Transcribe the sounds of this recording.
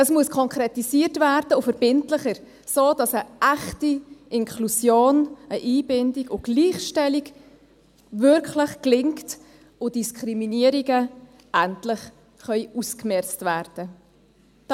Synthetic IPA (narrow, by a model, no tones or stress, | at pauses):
əsmuəskʰɔŋkʰɾɛtisiəɾtvæːɾdəʊfəɾb̥ɪntləχəɾ | soːd̥ɑsəʔæχtiʔɪŋkʰlusjoːnəʔiːbɪndiɡʊɡ̥liːχʃtɛliɡ | vʏɾklɪχklɪŋkt | ʊd̥iskχɾiminiəɾiɡə | ʔæntlɪχ | χœʏʔuskmɛɾt͡stvæːɾd̥ə